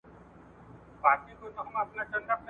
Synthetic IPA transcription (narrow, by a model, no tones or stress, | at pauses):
bat̪ik̪ot̪ɔkʰmap̚nat͡ʃənd̪ap̚ː